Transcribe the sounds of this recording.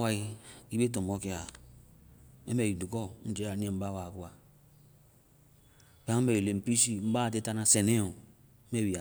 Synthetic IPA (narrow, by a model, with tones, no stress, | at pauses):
wa˦i˦i˦be˦t̬o˨mo˦ke˨a˨ | ḛ˦me˨i˨du˨kɔ˦n̩˦d͡ʒe˦a˨n˦e˦˨m̩˦ba˦wa˨ku˦a˨ | pe˦me˨wi˨le˨m̩˨pi˦si˦˨m̩˦ba˦˨t̬e˦ta˦na˦se˨ne˦o˨˦ | me˦wi˨a˨